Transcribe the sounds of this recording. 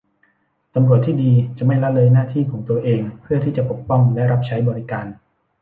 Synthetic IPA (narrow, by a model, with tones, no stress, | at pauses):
t̪a˧mɾu˨˩ət̪ʰːiː˥˩diː˧t͡ɕa˨˩ma˥˩jla˦˥lɤː˧jnaː˥˩t̪ʰiː˥˩kʰɔː˩˦ŋt̪u˧ɐʔeː˧ŋpʰɯ˥˩ɐiː˥˩t͡ɕa˨˩po˨˩k̚pɔ˥˩ŋlɛ˦˥ʔɾa˦˥p̚t͡ɕʰa˦˥jbɔː˧ɾi˦kaː˧n